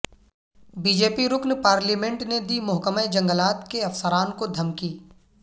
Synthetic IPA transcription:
biːd͡ʒeːpiɾʊknpaːɾliːmẽɳʈned̪iːmʊɦkəməd͡ʒɐ̃ŋɡəlaːt̪keɐfsəɾaːnkod̪ʱɐmkiː

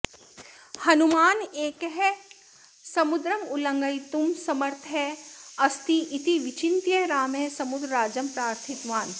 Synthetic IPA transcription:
hɐnumaːneːkɦɛ | sɐmʊd̪ɾɐmʊlɐ̃ŋɡəjt̪umsɐməɾt̪ʰɦɛɐst̪iʔit̪iʋɪt͡ʃint̪jeɾaːmɦɛ̃sɐmʊd̪ɾaːd͡ʒəmpɾaːɾt̪ʰit̪ʋaːn

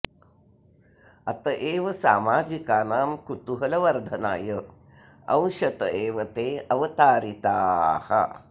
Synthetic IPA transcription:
ɐt̪ɐʔeːʋɐsaːmaːd͡ʒikaːnaːmkut̪uɦɐlɐʋɐɾd̪ʱɐna̰ːjɐ | ɐ̃wʃɐt̪ɐeːʋɐt̪eːɐʋɐt̪aːɾit̪aːhɐ̰

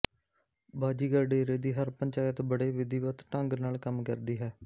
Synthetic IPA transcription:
baːd͡ʒiːɡəɾɖeːɾeːd̪iːɦəɾpəɲt͡ʃaːjət̪bəɽeːʋɪd̪iːʋət̪ʈəŋɡnaːlkəmkəɾd̪iːɦɛː

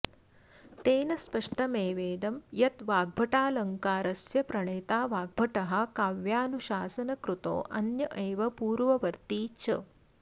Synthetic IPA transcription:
t̪eːnɐspɐʂʈɐmeːʋeːd̪ɐmjɐt̪ʋaːɡ̚bʱɐʈaːlɐŋkaːɾɐsjɐpɾɐɳeːt̪aːʋaːɡ̚bʱɐʈɐɦɐkaːʋjaːnuʃaːsɐnɐkɾut̪o̰ːʔɐnjɐʔeːʋɐpuːɾʋɐʋɐɾt̪iːt͡ʃɐ̰

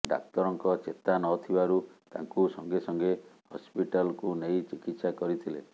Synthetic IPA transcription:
ɖa̰k̚t̪ɔɾɔŋkɔt͡ʃet̪anɔt̪ʰibaɾut̪a̰ŋkusɔŋɡesɔŋɡehɔspiʈalkunejt͡ʃikit̪sakɔɾit̪ʰilḛ

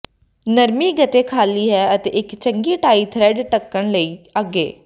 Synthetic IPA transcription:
nəɾmiːɡət̪eːkʰaːliːɦɛːət̪eːʔɪkt͡ʃəŋɡiːʈaːiːt̪ʰɾɛːɖʈəkːəɳləiːaɡḛː

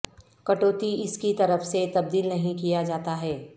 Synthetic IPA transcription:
kɐʈoːt̪iɪskit̪ɐɾəfset̪ɐb̚d̪iːlnɐɦĩkijad͡ʒaːt̪aɦɛː

